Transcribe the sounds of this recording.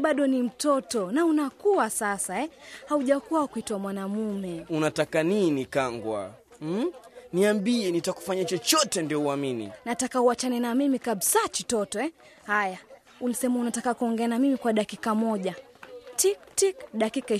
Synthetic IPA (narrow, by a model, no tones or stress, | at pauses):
ɓaɗɔnim̩tɔtɔnaunakuasasaɛhauʄakuwakuitwamwanamumɛunatakaninikaŋɡwa̰ | niambiɛnitaku̥faɲat͡ʃɔt͡ʃɔtɛndiɔuaminḭnatakauat͡ʃanɛnamimikaɓsat͡ʃitɔtɔɛ | haja | unisɛmaunatakakuɔŋɡɛanamimikwaɗakikamɔʄa | tiktikɗakika